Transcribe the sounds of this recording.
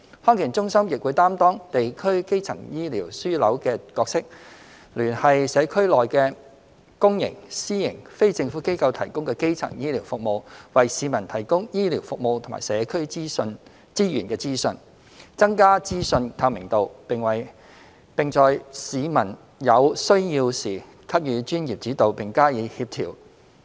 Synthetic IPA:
hɔː˥ŋkɪ˨˩nt͡sʊ˥ŋsɐ˥mjɪ˨k̚wuː˨˧jt̪aː˥mt̪ɔː˥ŋt̪e˨jkʰɵ˥ɥke˥jt͡sʰɐ˨˩ŋjiː˥liː˨˩wsyː˥lɐ˨˥wkɛː˧kɔː˧k̚sɪ˥k̚ | lyː˨˩nhɐ˨jsɛː˨˧kʰɵ˥ɥlɔː˨jkɛː˧ | kʊ˥ŋjɪ̰˨˩ŋsiː˥jɪ̰˨˩ŋfe˥jt͡sɪ˧ŋfuː˨˥ke˥jkɐ˧wt̪ʰɐ˨˩jkʊ˥ŋkɛː˧ke˥jt͡sʰɐ̰˨˩ŋjiː˥liː˨˩wfʊ˨k̚mo˨wwɐ˨jsiː˨˧mɐ˨˩nt̪ʰɐ˨˩jkʊ˥ŋjiː˥liː˨˩wfʊ˨k̚mo˨˧wt̪ʰma̰ː˨˩sɛː˨˧kʰɵ˥ɥsn | t͡siː˥jyː˨˩nkɛː˧t͡siː˥sɵ˧n | t͡sɐ˥ŋkaː˥t͡siː˥sɵ˧nt̪ʰaː˧wmɪ˨˩ŋt̪o˨wpɪ˨ŋwɐ˨˩j | pɪ˨ŋt͡sɔː˧jsiː˨˧mɐ˨˩n | jɐ˨˧wsɵ˥ɥjiː˧wsiː˨˩ | kʰɐ˥p̚jyː˨˧t͡ʃyː˥njiː˨p̚t͡siː˨˥t̪o˨wpɪ˨˩ŋkaː˥jiː˨˧hiː˧p̚t̪ʰḭː˨˩w

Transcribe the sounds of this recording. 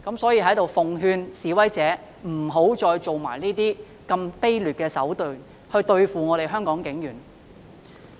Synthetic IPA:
kɐ˨˥msɔː˨˥jiː˨˧ɦɐ˨˥jt̪o˨wfʊ˨ŋɦyː˧nsiː˨˥wɐ˨˥jt͡sɛː˨˥ | m̩˨˩ɦo˨˥wt͡sɔː˧jt͡so˨wma̰ː˨˩jniː˥t̪iː˥ | kɐ˧mpe˥jlyː˨˩t̚kɛː˧sɐ̰˨˥wt̪ɵ˨˧ | hɵ˧ɥt̪ɵ˧ɥfuː˨ŋɔː˨˧ɾe˨jɦœː˥ŋkɔː˨˥ŋkɪ˨˥ŋjyː˨˩n

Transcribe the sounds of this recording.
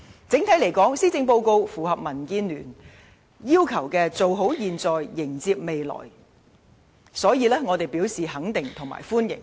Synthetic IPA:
t͡sɪ˨˥ŋt̪ʰɐ˨˥jle˨˩jkɔː˨˥ŋsiː˥t͡sɪ˧ŋpo˧wko˧wfuː˨˩ɦɐ˨p̚mɐ˨˩nkiː˧nlyː˨˩n | jiː˥wkʰɐ˨˩wkɛː˧t͡so˨wɦo˨˥wjiː˨nt͡sɔː˨jːɪ˨˩ŋt͡siː˧p̚me˨jlɔ̰ː˨˩j | sɔː˨˥jiː˨˧lɛː˥ŋɔː˨˧t̪e˨jpiː˨˥wsiː˨ɦɐ˨˥ŋt̪ɪ˨ŋt̪ʰʊ˨˩ŋma̰ː˨˩jfuː˥njɪ̰˨˩ŋ

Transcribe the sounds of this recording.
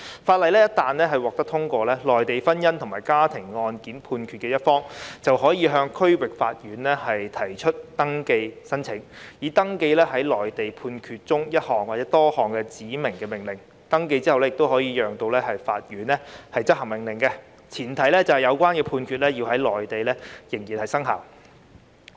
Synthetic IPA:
faː˧t̚lɐ˨jlɛ˥jɐ˥t̚t̪aː˨nlɛː˥ɦɐ˨jwɔː˨k̚t̪ɐ˥k̚t̪ʰʊ˥ŋkʷɔː˧lɛː˥lɔː˨˩jt̪e˨jfɐ˥njɐ˥nt̪ʰʊ˨˩ŋmaː˨˩jkaː˥t̪ʰɪ˨˩ŋːɔː˧nkiː˨˥npʰuː˧nkʰyː˨˧t̚kɛː˧jɐ˥t̚fɔː˥ŋt͡sɐ˨wɦɔː˨˥jiː˨˧ɦœː˧ŋkʰɵ˥ɥwɪ˨k̚fa̰ː˧t̚ɥyː˨˥nlɛ˥hɐ˨jt̪ʰɐ˨˩jt͡ʃʰɵ˥t̚t̪ɐ˥ŋke˧jsɐ˥nt͡sʰɪ˨˥ŋjiː˨˥t̪ɐ˥ŋke˧jlɛː˥ɦɐ˨˥jlɔː˨jt̪e˨jpʰuː˧nkʰyː˧t̚t͡sʊ˥ŋjɐ˥t̚hɔː˨˩ŋwaː˨˩t͡sɛː˨˦˥t̪ɔː˥hɔː˨˩ŋkɛ˧t͡siː˨˥mɪ˨˩ŋkɛː˧mɪ˨ŋlɪ˨˩ŋ | t̪ɐ˥ŋke˧jt͡siː˥hɐ˨wɛ˥jɪ˨k̚t̪wɦɔː˨˥jiː˧jœː˨ŋt̪o˧wlɛː˥hɐ˨jfaː˧t̚jyː˨˥nlɛ˥hɐ˨jt͡sɐ˥t̚hɐ˨˩ŋmɪ˨˩ŋlɪ˨˩ŋkɛ˧ | t͡sʰiː˨˩nt̪ʰɐ˨˩jlɛː˥t͡sɐ˨whɐ˨jɐ˨˧wkʷaː˥nkɛː˧pʰuː˧nkʰy˧t̚lɛː˥jiː˧wɦɐ˨˥jlɔː˨˩jt̪e˨jlɛ˥jɪ˨˩ŋjiː˨˩nhɐ˨˩jsɐ˥ŋɦa̰ː˨˩w

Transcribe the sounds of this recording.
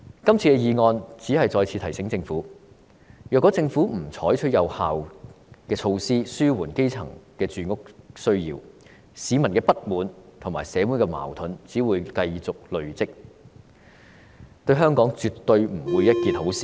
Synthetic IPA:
kɐ˥mt͡sʰiː˧kɛː˧jiː˧ŋɔː˧nt͡siː˨˥hɐ˨jt͡sɔː˧jt͡sʰiː˧t̪ʰjsɪ˨˥ŋt͡sɪ˧ŋfuː˨˥ | jœː˨kɔ˨˥t͡sɪ˧ŋfu˨˥m̩˨˩t͡ʃʰɔː˨˥jt͡ʃʰɵ˥t̚jɐ˨˧whaː˨wkɛː˧t͡ʃʰo˧wsiː˥syː˥wuː˨˩nke˥jt͡sʰɐ̰˨˩ŋkɛː˧t͡ʃyː˨˩ŋʊ˥k̚sɵ˥ɥjḭː˨˩w | siː˨˧mɐ˨˩nkɛː˧pɐ˥t̚muː˨˥nt̪ʰʊ˨˩ŋmaː˨˩jsɛː˨˥wuː˨˥kɛː˧ma̰ː˨˩wt̪ʰʊ˨˥nt͡siː˨˥wuː˨˧jkɐ˧jt͡sʊ˨k̚lɵ˨ɥt͡sɪ˥k̚ | t̪ɵ˧ɥɦœː˥ŋkɔː˨˥ŋt͡ʃyː˨t̪ːɵ˧ɥm̩˨˩wuː˨˧jɐ˥t̚kiː˨˧t̪̚ho˨˥wsiː˨˥

